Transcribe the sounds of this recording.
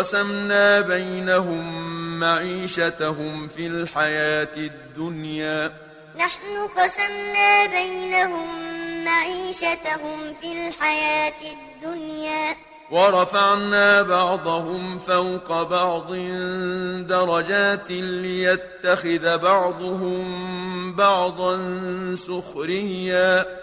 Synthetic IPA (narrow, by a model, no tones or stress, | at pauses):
ɑsamnaːbajnaɦʊmːaʕiːʃat̪aɦʊmfilħajaːt̪ɪd̪ːʊnjaː | naħnʊqɑsamnaːbajnaɦʊmːaʕiːʃat̪aɦʊmfiːlħajaːt̪ɪd̪ːʊnjaː | wɑɾˤɑfɑʕnaːbɑʕd̪ˤɑɦʊmfawqɑbɑʕd̪ˤɪnd̪ɑɾˤɑd͡ʒaːt̪lɪjat̪ːaxɪðabɑʕd̪ˤʊhʊmbɑʕd̪ˤɑnsʊxɾɪjːaː